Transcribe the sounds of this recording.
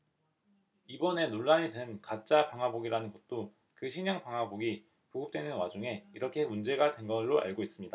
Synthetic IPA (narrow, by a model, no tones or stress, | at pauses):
ibʌne̞noɭːaɲidwe̞nkat͡ɕ͈apaŋɦwaboɡiɾanɯnɡʌt̚t͈o | kɯɕʰiɲʌŋpaŋɦwaboɡi | poɡɯp̚t͈wenɯnwad͡ʑuŋe̞iɾʌkʰe̞mund͡ʑe̞ɡadwe̞nɡʌɭːoa̰ɭɡois͈ɯmɲida